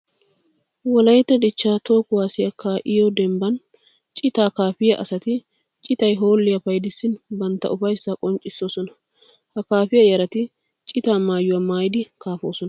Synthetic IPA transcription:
wɔlɐjt̪ːɛd̪ɪt͡ʃːaːt̪o̞ːkʊwaːsɪjɐkːaːʔɪjɔd̪ɛmbɐn | t͡ʃʼɪt̪aːkaːfɪjɐʔɐ̰sɐt̪ɪ | t͡ʃʼɪt̪ɐjɦoːlːɪjɐfɐjd̪ɪsːɪnbɐnt̪ːɐ̰ʔʊfɐjsːakʼɔnt͡ʃʼːɪsːo̞ːsɔnɐ | hɐkaːfɪjɐjɐɾɐt̪ɪ | t͡ʃʼɪt̪aːmaːjʊwɐmaːjɪd̪ɪkaːfoːsɔnɐ

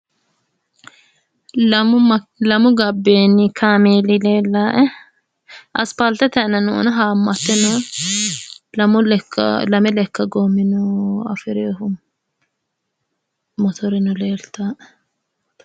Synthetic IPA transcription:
lɐmʊɡɐbːeːnːɪkʰaːmeːlɪleːlːaːʔɛ | ʔɐspɐlt̪ɛt̪ɛnɐnɔʔɔ̰nɐɦaːmːɐt̪ːɛnɔ | lɐmʊlkːɐ̰lɐmɛlɛkːɐɡoːmːɪnɔɐ̰fɪɾeːhʊ | mɔt̪ʰɔɾɪnɔleːɾt̪aːʔɛ̥

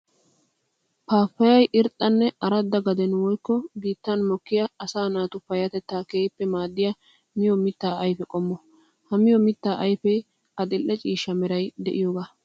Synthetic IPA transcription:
paːfːɐjɐjʔɪɾt̪ʼːɐnːɛʔɐɾɐd̪ːɐɡɐd̪ɛnwɔjkːɔbiːt̪ːɐnmɔkːɪjɐːsaːnaːt̪ʊpːɐjɐt̪ɛt̪ːaːkeːpːɛmaːd̪ːɪjɐ | mɪjɔmɪt̪ːaːɐjpɛkʼɔmːɔ | hɐmɪjɔmɪt̪ːaːʔɐjpɛj | ɐd̪ɪlʔːɛt͡ʃʼiːʃːɐmɛɾɐjd̪ɛʔɪjoːɡaː

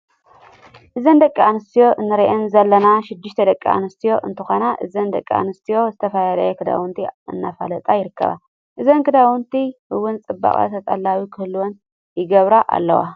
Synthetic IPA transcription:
ʔɨzɐnd̪ɐkʼːianɨst̪ʰijo̞ʔɨnːɨɾɐʔɛnzɐlːɐnaʃɪd̪ːɨʃt̪ʰɐd̪ɐkʼːia̰nɨst̪ʰijo̞ʔɨnt̪ʰɨxonaʔɨ̰zɐnd̪ɐkʼːia̰nɨst̪ʰijo̞zɨt̪ʰɐfɐlalajɛkʰɨd̪a̰wunt̪ʰiɨ̰nːafa̰lɐt̪ʼajɪɾɨkʰːɐ̰βa̰ | ʔɨzɐnkʰɨd̪awunt̪ʰihɨwːʊnt͡sʼɨbːa̰kʼa̰t̪ʰɐt̪ʼalːawikʰɨhlwon | jɪɡɐβɾaʔa̰lːɐ̰wa̰

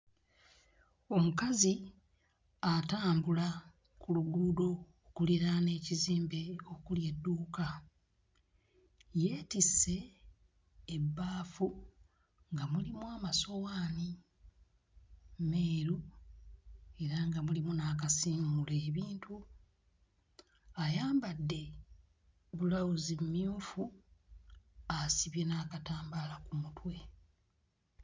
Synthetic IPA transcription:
o̞mukazi | ataːmbula | kuluɡuːdo̞ | kuliɾane̞ːciziːmbe̞okulje̞dːuːka | je̞ːtise̞ | bːaːfu | ŋɡamulimuaːmaso̞waːni | me̞ːɾu | e̞ɾaŋɡamulimunaːkasiːŋɡuleːβiːntu | ajaːmbadːe̞ | βulawuzimumijuːfu | asiβjenaːkataːmbalakumutwe̞

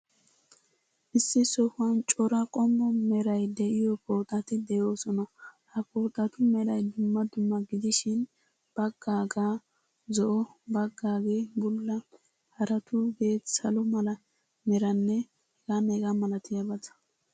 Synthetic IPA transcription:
ʔɪsːɪsɔhʊɐnt͡ʃʼɔɾɐkʼɔmːɔmɛɾɐjd̪ɛʔɪjɔpʰo̞ːt̪ʼːɐt̪ɪd̪ɛjoːsɔnɐhɐpʰo̞ːt̪ʼːɐt̪ʊmɛɾɐjd̪ʊmːɐd̪ʊmːɐɡɪd̪ɪʃɪn | b̥ɐɡːaːɡaː | zɔʔɔbɐɡːaːɡeːbʊlːɐ | hɐɾɐt̪ʰʊbeːt̪sɐlʊmɐlɐ | mɛɾɐnːɛ | hɛɡaneɡamɐlɐt̪ɪjɐbɐt̪ɐ̥

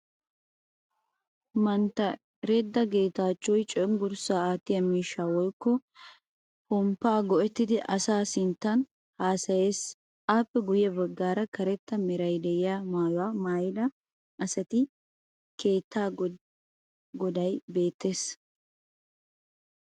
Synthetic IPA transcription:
mɐnt̪ːɐ | ɾed̪ːɐɡe̞ːt̪aːt͡ʃːɔjt͡ʃʼɔɔŋɡʊɾsaːaːt̪ːɪjɐmiːʃːaːwɔjkːɔ | pɔmpːaːɡɔʔɛt̪ːɪd̪ɪʔɐsaːsɪnt̪ːɐn | haːsɐjeːs | ʔaːpːɛɡʊjɛbɐɡːaːɾɐkɐɾɛt̪ːɐmɪɾɐjd̪ɛjɪjaːmaːjwaːmaːjɪd̪ɐ | ʔɐsɐt̪ɪ | kʰe̞ːt̪ʰːaː | ɡɔd̪ɐjbe̞ːt̪ːe̞ːs

